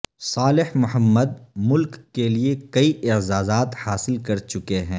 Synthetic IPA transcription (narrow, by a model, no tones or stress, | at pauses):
saːlɪhmʊɦəmːəd̪̚mʊlkːeliekɐiʔɪzaːzaːt̪haːsɪlkɐɾt͡ʃʊkeɦɛ̃ː